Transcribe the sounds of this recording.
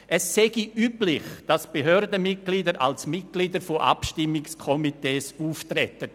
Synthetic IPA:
ʔɛsːɛɡiyːplɪχd̥asb̥eɦøːɾdəmɪt̚ɡ̥liːdəɾʔa̰lsmɪt̚ɡ̥liːdəɾfoʔa̰pʃtɪmːɪkskʰɔmiteːsuːftɾɛtət

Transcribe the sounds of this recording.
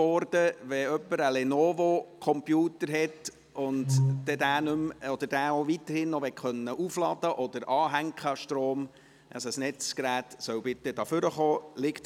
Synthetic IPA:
ɔɾd̥əʋɛœpːəɾəlɛnoːvokʰɔmpjuːtəɾɦɛt | ʊnddɛd̪æːnʉmɔd̥̪əɾd̥æːoʋit̪əɾhɪnːɔʋɛtχœnːəʔuflɑd̥əʔɔd̥̪əɾʔɑːɦæŋkχəʃtɾoːm | ʔə̰səsnɛt͡skɾæːtsœwbɪtːəd̥ɑːfʏɾəχoːlɪkt

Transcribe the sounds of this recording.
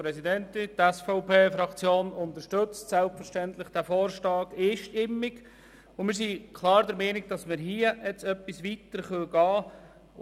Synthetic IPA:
pɾɛsidɛntɪntɛsfɔʊpeːfɾɑkt͡sjoːnʊnt̪əɾʃtɵt͡stsɛlpfəɾʃtɛnt̪lɪχd̥æfoːɾʃtɑːɡ̥eːʃtɪmːik | ʊmɪːɾsikʰlɑːɾd̪əɾmɛːnɪɡ̚d̥ɑsmɪɾɦiːəɛt͡sœpːisʋitəɾχœɡ̥ɑː

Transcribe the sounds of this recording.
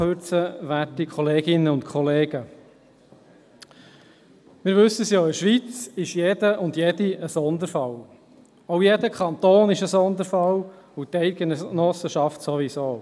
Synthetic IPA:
øɾt͡səʋætikʰχɔleːɡ̥ɪnːəʊntkʰɔleːɡ̥ə | mɪːɾʋɵsəsjoɪʃʋit͡sɪʃjedəʔʊndjediəsɔnd̪əɾfɑl | oʊjedəkʰχɑnt̪oːnɪʃəsɔnd̪əɾfɑl | ut̪ɛɪɡ̥ennɔsəʃɑftsoʋisoː

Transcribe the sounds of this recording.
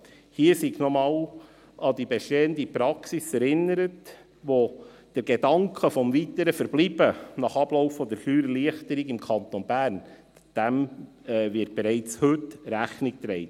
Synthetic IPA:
hiəsiɡnɔmɑːw | ɑd̪ibɛʃteːəndipɾɑksisɛɾɪnːəɾət | ʋo | d̥əɾɡ̥edɑŋkχəfɔmvit̪əɾəfəɾblib̥ənɑχɑb̥lɔʊfɔd̪əɾfyːɾəliəχtəɾiɡɪmkʰɑnt̪onbæːɾn | d̥æm | ɛʋɪt̚b̥ɛɾɛɪt͡shɵtɾæχnik̚t̪ɾɛɪt

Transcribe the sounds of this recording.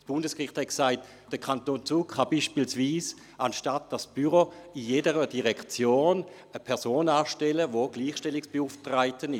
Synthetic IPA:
sb̥ʊndəskʁɪχthɛt̚ksaɪt | d̥əkʰantoːnt͡suːkχab̥iːʃpiːlsviːs | ʔanʃtat̚d̥asb̥yʁoijedəʁədiʁɛkt͡sjoːn | əpʰɛɐsoːnaːʃtɛləvoɡ̥liːχʃtɛlɪksb̥euftʁaɪtənɪ

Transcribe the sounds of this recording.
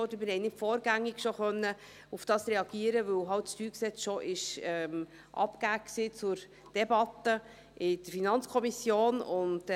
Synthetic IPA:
ɔdəmɪɾhɛɪnɪtfɔːɾɡæŋːɪɡ̥ʃoχœnːə | ufd̥ɑːsɾɛɑɡ̥iəɾəʋɵwɦɑltsʃtyːksɛt͡sʃɔʔɪʃɛm | ʔɑ̰pkæːksiːt͡sʊɾ | d̥ɛbɑtːə | ʔɪd̥əɾfinɑnt͡skʰɔmisjoːnʊnd

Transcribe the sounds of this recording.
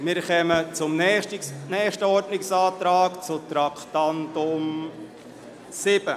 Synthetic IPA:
mɪɾχɛmət͡sʊmnɛnɛːʃtəɔɾdnɪksaːt̪ɾaːkt͡sʊt̪ɾakʰt̪antʊm | sɪb̥ə

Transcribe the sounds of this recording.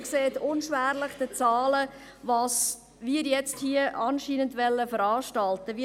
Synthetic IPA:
kseːtʊnʃʋæːɾləχd̥ət͡sɑːlə | ʋɑːs | ʋiːɾjɛt͡sthiəʔɑnʃiːnəndʋɛlːəfəɾɑːʃtɑltəʋi

